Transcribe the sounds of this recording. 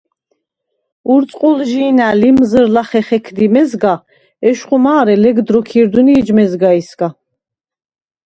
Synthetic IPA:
uɾt̪sʼqʼulʒiːnalimzəɾlaχɛχɛkʰd̪imɛzɡa | ɛʃχumaːɾɛlɛɡd̪ɾɔkʰiɾd̪uniːd͡ʒmɛzɡaisɡa

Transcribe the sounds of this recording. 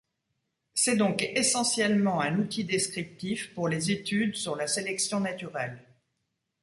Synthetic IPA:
sɛd̪ɔ̃kesɑ̃sjɛlmɑ̃ɛ̃nut̪id̪eskχip̚t̪ifpuʁlezet̪yd̪syʁlaselɛksjɔ̃nat̪yʁɛl

